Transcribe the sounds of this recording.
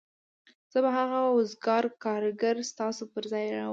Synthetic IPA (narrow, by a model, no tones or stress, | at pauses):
z̥əbaɦaɣaʊzɡɑɾkɑɾɡaɾst̪ɑsopəɾzɑjɾɑw